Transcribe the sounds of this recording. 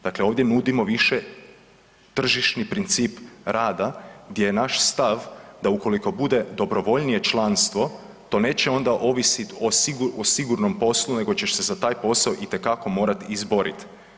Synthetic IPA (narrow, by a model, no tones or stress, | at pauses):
d̪akle̞o̞ːʋd̪jenud̪imo̞ʋiʃe | t̪r̩ʒiʃnipɾint̪siːpɾaːd̪aɡd̪je̞jenaʃst̪aʋd̪auko̞liko̞bud̪e̞d̪o̞bɾo̞ʋo̞ʎnije̞t͡ʃlˠanst̪ʋo̞ | t̪o̞ːne̞ːt͡ɕeo̞nd̪aʔo̞ʋisit̪osiɡuosiɡuɾno̞mpo̞slune̞ɡo̞t͡ɕe̞ʃse̞zat̪aːjpo̞saoʔit̪e̞kako̞mo̞ːɾat̪izbo̞ɾḭt̪